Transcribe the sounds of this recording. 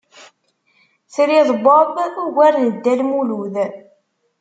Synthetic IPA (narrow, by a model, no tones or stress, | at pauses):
θɾiðˤbɑbuɣæɾnəd̪ːælmuluð